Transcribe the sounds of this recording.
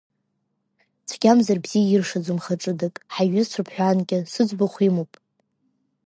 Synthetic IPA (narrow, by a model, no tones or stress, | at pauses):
t͡sʷʰɡ̥ʲamzarbz̥ijairʂad͡zʊmχaʈ͡ʂʼɨdɨkʼħaɥɪzt͡sʷʰapʰħᶣʷanɡʲɪsɨd͡zʷbaχʷimopʼ